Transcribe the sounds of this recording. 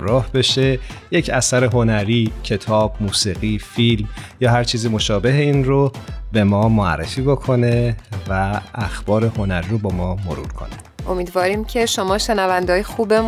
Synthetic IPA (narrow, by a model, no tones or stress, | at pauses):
mɾɒːhbe̞ʃe̞je̞cʰæsæɾe̞ɦo̞næɾiːcʰe̞t̪ʰɒːb̥̚muːsiːɣiːfilmjɒːɦæɾt͡ʃʰiːzimo̞ʃɒːbe̞ɦeinrobe̞mɒːmoæ̰rːefiːbokʰo̞ne̞væːxb̥ɒːɾe̞ho̞næɾiɾobɒːmɒːmo̞ɾṵːɾkʰo̞̰ne | ʔomiːd̪vɒːɾiːmcʰe̞ʃo̞mɒːʃenævænd̪eɦːjexuːbem